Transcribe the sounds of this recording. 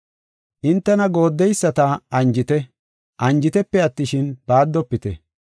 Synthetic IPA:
ʔɪnt̪ːɛnɐɡo̞ːd̪ːɛjsːɐt̪ɐɐnd͡ʒɪt̪ɛ | ʔɐnd͡ʒɪt̪ɛpːɛɐt̪ːɪʃɪnb̥aːd̪ːɔpːɪt̪ɛ̰

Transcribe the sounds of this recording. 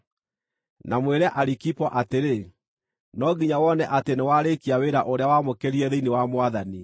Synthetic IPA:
namweɾɛʔaɾikipɔʔateɾe | nɔɡiɲawɔnɛʔatenewaɾekiaweɾaʔoɾeawamokeɾiɛðeinewamwaðani

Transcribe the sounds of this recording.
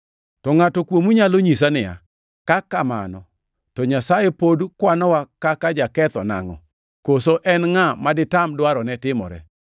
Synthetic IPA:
tɔŋatɔkwomuɲaloɲisanɪja̰ | kakama̰nɔ | tɔɲasajepodukwanɔwakakad͡ʒakɛt̪ɔna̰ŋɔ̰ | kosoʔɛnŋamadɪtamdwaɾɔnɛtɪmɔ̰ɾɛ̰

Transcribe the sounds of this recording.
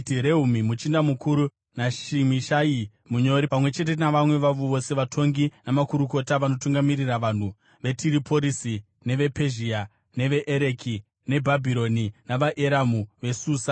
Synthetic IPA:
tiɾe̞umimut͡ʃindamukuɾu | naʃimiʃai | muɲo̞ɾipamwe̞t͡ʃe̞t̬enaʋamwe̞ʋaʋuʋo̞se̞ʋatʰo̞ŋɡinamakuɾuko̞taʋano̞tuŋɡamiriraʋan̤u | ʋe̞tʰiɾipo̞ɾisi | ne̞ʋe̞pe̞ʒia | ne̞ʋe̞ʔeɾeki | ne̞bʱabʱiɾo̞ninaʋaʔe̞ɾamuʋe̞suːsa

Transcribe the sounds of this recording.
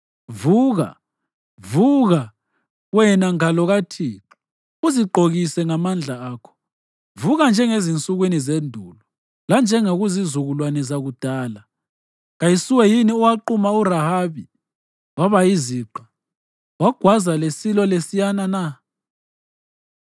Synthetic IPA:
vuːɣa̰ | vuɣa | wɛnaŋalɔɣatʰiǁi | uziɡ͡ǃʱoɣisɛŋamand͡ɮʱaaːkʰɔ̥ | vuɣand͡ʒʱɛŋezint͡sʼuɣwinizendʱulɔ | land͡ʒʱɛŋoɣuzizuɣulwanɛzaɣud̥ʱaːla | ɣajisuwɛjiniuwaǃumauɾahaβi | waβajiziːǃḁ | waɡ̥ʱwazalesilɔlesijanana

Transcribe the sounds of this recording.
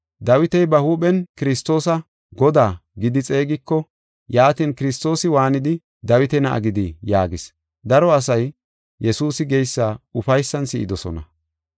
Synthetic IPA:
d̪ɐwɪt̪ɛjbɐhuːɓɛnkɪɾɪst̪o̞ːsɐ | ɡɔd̪aːɡɪd̪ɪt͡sʼe̞ːɡɪkːɔ | jaːt̪iːnkɪɾɪs̬t̪o̞ːsɪwaːnɪd̪ɪ | d̪ɐwɪt̪ɛnɐʔɐ̰ɡɪd̪ɪjaːɡɪs | d̪ɐɾɔɐsɐj | jɛsuːsɪɡɛjsːaːʊfɐjsːɐnsɪʔɪd̪ɔsɔ̰nɐ̰

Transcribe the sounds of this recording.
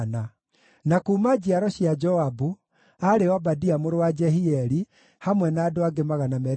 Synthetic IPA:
na | nakuːmad͡ʑiaɾɔɕiad͡ʒɔabu | aɾewabadiamoɾowad͡ʒɛhiɛɾi | hamwɛnaːdoaɡemaɣanamɛɾ

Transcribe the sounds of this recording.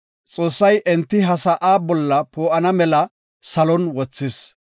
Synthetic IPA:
t͡sʼo̞ːsːɐjʔɛnt̪ːɪɦɐsɐʔaːbɔlːɐpʰoːʔɐnɐmɛlɐ | sɐlɔnwɔt͡sːɪs

